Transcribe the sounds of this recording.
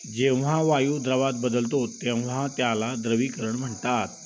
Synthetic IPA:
d͡ʑẽʋʋ̤aʋajuːd̪ɾəʋat̪̚bəd̪əlt̪ot̪ẽʋ̤at̪jalad̪ɾəʋiːkəɾəɳm̤əɳt̪at̪̚

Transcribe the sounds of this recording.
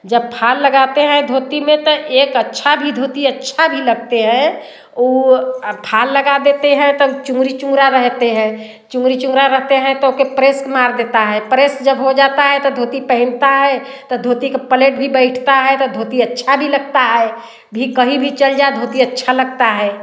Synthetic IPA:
d͡ʒəb̚pʰalːəɡat̪eɦɛ̃d̪ʱot̪imẽt̪ɔʔekətːʃʰabʱid̪ʱot̪iətːʃʰabʱiləɡt̪eɦɛ̃ | o | pʰalːəɡad̪et̪eɦɛ̃t̪ɔt͡ʃũŋɡɾit͡ʃũŋɡɾaɾəɦt̪eɦɛ̃ | t͡ʃʊ̃ŋɡɾit͡ʃũŋɡɾaɾəɦt̪eɦɛ̃t̪ɔokepɾeskmaɾd̪et̪aɦɛpɾesk̚d͡ʒəbɦod͡ʒat̪aɦɛt̪ɔd̪ʱot̪ipəɦɪnt̪aɦɛt̪ɔd̪ʱoːt̪ikepəleʈ̚bʱibəɪʈʰt̪aɦɛt̪ɔd̪ʱot̪iətːʃʰabʱiləɡ̚t̪aɦɛ | bʱikəɦibʱit͡ʃəld͡ʒaed̪ʱot̪iətːʃʰaləɡt̪aɦɛ

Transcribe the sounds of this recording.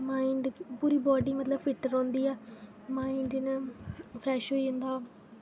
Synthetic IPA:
maːɪɳɖpuːɾiːbɔːɖiːmət̪ləbfɪʈəɾɦõːnd̪iːɛː | maːiɳɖnəpʰɾɛːʃɦoːind̪aː

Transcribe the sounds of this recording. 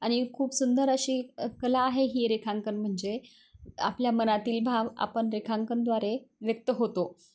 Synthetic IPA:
aɽ̃ikʰuːpsund̪əɾəɕiːkəlaːɦeɦiːɾekʰãŋkənm̤əɳd͡ze | a̰pljamənat̪iːlbʱaʋa̰pəɳɾekʰaŋkənd̪ʋaɾeʋjək̚t̪əɦot̪o

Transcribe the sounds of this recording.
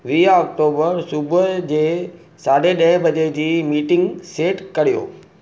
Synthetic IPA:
ʋiːɔːk̚ʈoːbəɾsʊbəd͡ʑeː | saːɖeɗɐ̃ɦɪ̃bɐd͡ʑed͡ʑiːmiːʈɪ̃ŋɡseːʈkɐɽ̤ijo̰ː

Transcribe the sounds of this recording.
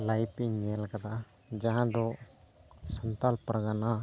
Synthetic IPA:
lajpiɲelkəd̪a | d͡ʒaɦãd̪ɔ | sənt̪alpɾɡana

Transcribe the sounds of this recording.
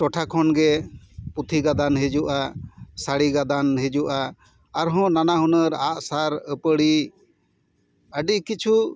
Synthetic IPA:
tɔʈʰakʰɔnɡɛ | put̪ʰiɡad̪anɦed͡ʒuʔasaɽiɡad̪anɦed͡ʒuʔaː | ɾɦɔ̃nanaɦɔnəɾaʔsaɾəpəɽi | əɖiʔkit͡ʃʰu

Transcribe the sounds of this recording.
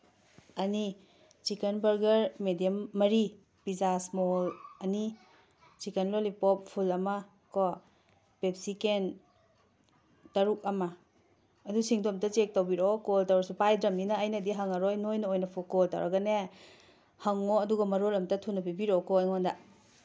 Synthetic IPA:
ɐni | t͡ʃikenbɐɾɡɐɾmedijemːɐɾi | pizasmolɐni | t͡ʃikenlolipɔp̚pʰulɐmɐ | kɔ | pep̚siken | tɐɾuk̚ɐmɐː | dusiŋdomtɐt͡ʃek̚tawbiɾokoltawɾɐsupajdɾɐminaːjnɐdiɦaŋɐɾojnojnɐojnɐpʰukɔlta̰wɾɐɡɐne | haŋoɐduɡɐmɐɾolɐmtɐtʰunːɐbibiɾokɔajŋɔnda

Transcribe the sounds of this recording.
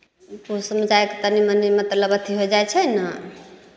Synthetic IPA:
pusəməd͡ʒaeket̪ənimənimət̪ləbət̪ʰiɦojd͡ʒajt͡ʃʰɛnə

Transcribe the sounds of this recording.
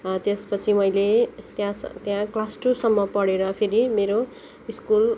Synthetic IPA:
t̪espʌt͡sʰimʌjlet̪jãst̪jãklasʈusʌmːʌpʌɽeɾʌpʰeɾimeɾo | iskul

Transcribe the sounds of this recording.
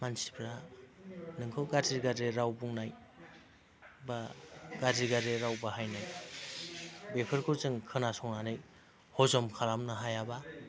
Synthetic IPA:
mansi̥pʰɾa | nɯŋkʰɯwɡadiɡadeɾawbuŋnaj | baɡadiɡadeɾawbahajnaj | bepʰɯɾkuɾzɯŋkʰɯnasɔŋnanɯj | hɔzɔmkʰaɾamnɯɦajaba

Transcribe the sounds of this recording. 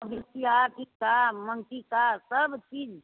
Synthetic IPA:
bisijakikaməŋʈikasəbt͡ʃiːd͡ʒ

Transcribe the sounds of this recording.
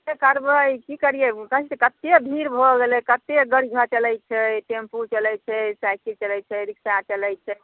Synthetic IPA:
ekəɾbəikikəɾijekəisekət̪ːebʱiɾbʱoɡelɛkət̪ːeɡəɽiɡʱət͡ʃəlɛjt͡ʃʰɛʈemput͡ʃəlɛjt͡ʃʰɛsajkilt͡ʃəlɛjt͡ʃʰɛɾiksat͡ʃəlɛjt͡ʃʰɛ

